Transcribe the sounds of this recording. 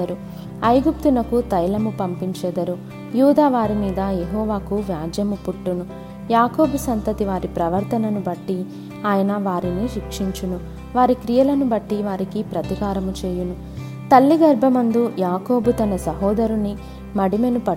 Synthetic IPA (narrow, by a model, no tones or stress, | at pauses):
ɐɾu | ɐjɡup̚t̪unɐkut̪ɐjlɐmupɐmpiɲt͡ʃɛd̪ɐɾu | juːd̪aːʋaːɾimiːd̪ɐjeɦɔːʋaːkuʋjaːd͡ʒɐmupuʈːunu | jaːko̞ːbusɐnt̪ɐt̪iʋaːɾipɾɐʋɐɾt̪ʰɐnɐnubɐʈːi | aːjɐnɐʋaːɾiniɾikʂiɲt͡ʃunu | ʋaːɾikɾijɐlɐnubɐʈːiʋaːɾikipɾɐt̪ikaːɾɐmut͡ʃeːjunu | t̪ɐlːiɡɐɾbʱɐmɐnd̪ujaːko̞ːbut̪ɐnɐsɐɦɔːd̪ɐɾuni | mɐɽime̞nupɐ